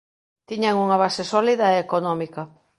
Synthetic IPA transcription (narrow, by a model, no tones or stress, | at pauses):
t̪iɲaŋuŋaβ̞asesɔliðɐeːkonɔmikɐ